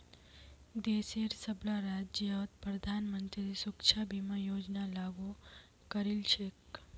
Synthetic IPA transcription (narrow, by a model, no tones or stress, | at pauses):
d̪eseɾsəblaɾad͡ʒaʋt̪pɾəd̪ʱanmənt̪ɾid̪isukt͡ʃʰabʱimãjod͡ʒnalaɡu | kəɾilt͡ʃʰek